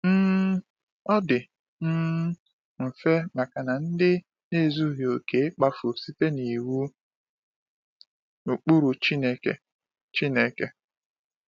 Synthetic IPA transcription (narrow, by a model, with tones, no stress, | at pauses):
m̩˦ | ɔ˦dɪ˨ | m̩˦ | m̩˨fe˦ma˨ka˨na˨n̩˦dɪ˦ | ne˦˨zu˦ɦjo˨ke˨ɪ˦k͡pa˦fu˨si˦te˦ni˨wu˦ | u˨k͡pu˦ɾu˨t͡ʃi˦ne˦ke˦ | t͡ʃi˦ne˦ke˦